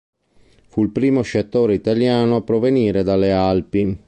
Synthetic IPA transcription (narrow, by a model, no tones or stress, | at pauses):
fuilpɾiːmoʃat̪ːoːɾeit̪aljaːnoapːɾoveniːɾed̪alːealpi